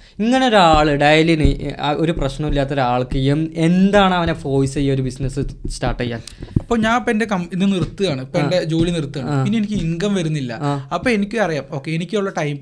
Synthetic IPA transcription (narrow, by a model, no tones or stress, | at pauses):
iŋːɐne̞oɾaːɭiɽaːjɐlinio̞ɾuprɐɕɳɐmilːaːt̪ːoɾuaːɭkɐjume̞nd̪aːɳɐʋɐnefo̞ːjisɐjːɐoɾubisnɐsɨstaːrʈːɐjːaːn | ɐpːoːɲaːnpendekɐminːɨnirt̪ːɨjaːɳɨpeɖe̞d͡ʑoːlinirt̪ːuaːɳpinːenikʲːɨiŋɡɐmʋɐɾunːilːɐ̰ɐpːoːenikʲːɨɐrijaːmo̞ːkːeenikʲːoɭːɐʈɐjm